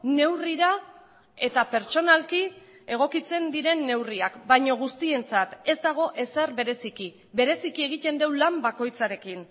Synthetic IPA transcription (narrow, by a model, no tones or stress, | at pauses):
ne̞wriɾa | e̞t̪ape̞ɾt͡ʃo̞nalki | e̞ɣ̞o̞kit͡se̞nd̪iɾe̞nːe̞wriakbajɲo̞ɣ̞ust̪ie̞nt͡sat̪e̞zd̪aɣ̞o̞ʔe̞serβe̞ɾe̞siki | βe̞ɾe̞sikie̞ɣ̞it̪e̞nd̪e̞wlambako̞jt͡saɾe̞kin